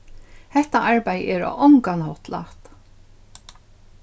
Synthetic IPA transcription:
hɛht̪aʔaɹpajəʔɛɾɔ̰ʔɔŋkanhɔt̪la̰ht̪

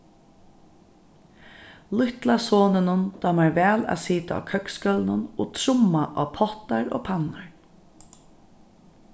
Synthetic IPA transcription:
lʊht̪lasoːnɪnʊnd̪̥aːmaɹʋɛːla̰ːsiːt̪aa̰kʰœkskœlnʊnoːt̪ʰɾʊmːaʔaːpʰɔht̪aɹo̰ːpʰanaɹ

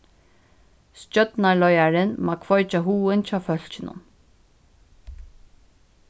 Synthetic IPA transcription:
scœt̪nalɔjaɾɪnmakʰvɔʏt͡ʃaɦuːɪnt͡ɕaːfœl̥t͡ʃɪnʊ̰n

